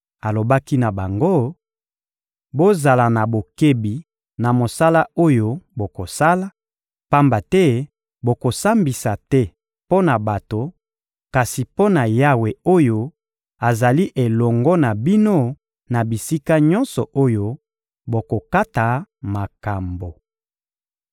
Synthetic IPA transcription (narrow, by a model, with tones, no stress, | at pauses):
a˨lo˨ba˦ki˦na˨ba˨ŋɡo˦ | bo˦za˨la˨na˨bo˨ke˦bi˨ | na˨mo˨sa˦la˦o˦jo˦bo˨ko˨sa˦la˦ | pa˦mba˨tɛ˦ | bo˨ko˨sa˦mbi˨sa˨tɛ˦ | po˦na˨ba˨to˨ | ka˨si˨po˦na˨ja˦we˨o˦jo˦ | a˨za˨li˦ʔe˨lɔ˨ŋɡɔ˦na˨bi˦no˦ | na˨bi˨si˦ka˦ɲɔ̃˦nsɔ˨ʔo˦jo˦ | bo˨ko˨ka˦ta˨ma˨ka˨mbo˨